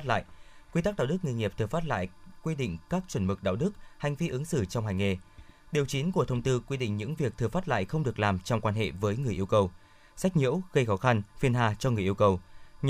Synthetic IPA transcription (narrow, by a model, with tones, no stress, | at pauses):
t̚la̰ː˧˨jkwi˧t̪aː˦˥ɗaː˧˨wɗɨ˦˥k̚ŋi˧jŋi˨˩əp̚t̪ɨ˨˩faː˦˥t̚la̰ː˧˨jkwi˧ɗḭ˧˨ŋ̟kaː˦˥k̚t͡ɕwə˧˩nmɨ˨˩k̚ɗa̰ː˧˨wɗɨ˦˥k̚ha˨˩jŋ̟vi˧ʔɨ˨˦ŋsɨ̰˧˩t͡ɕɔ˧wŋ͡mha˨˩jŋ̟ŋe˧˨˩ɗi˨˩əwt͡ɕi˨˦nku˧˩ət̪ʰwŋ͡mt̪ɨ˧kwi˧ɗḭ̈˧˨ŋ̟ɲɨ̰˧˥ŋvi˨˩ək̚t̪ʰfaː˦˥t̚la̰ː˧˨jxə˧wŋ͡mɗɨ˨˩ək̚laː˨˩mt͡ɕɔ˧wŋ͡mkwaː˧nɦḛ˧˨vəː˨˦jŋɨ˨˩əʔəwkə˨˧˩w | sa˦˥jk̟̚ɲḭ˧˥əwɣə˧jxɔ˨˦xa˧nfi˧ənɦaː˧˩t͡ɕɔ˧ŋɨ˨˩əjʔi˧əwkə˨˩w